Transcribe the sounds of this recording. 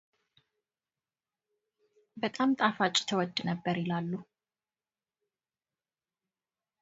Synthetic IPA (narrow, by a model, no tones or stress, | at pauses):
bət̪ʼamt̪ʼafat͡ʃʼːt̪ʰəwɔd̪ːnəbːəɾɪlalːu